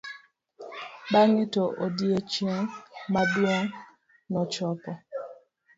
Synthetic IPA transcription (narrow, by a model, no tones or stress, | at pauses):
baŋɪtɔʔodiet͡ʃɛŋmadwɔŋ | nɔt͡ʃɔpɔ